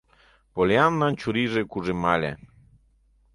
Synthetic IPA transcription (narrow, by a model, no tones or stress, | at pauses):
poljanːant͡ʃuɾiʐekuʐemalʲɛ̰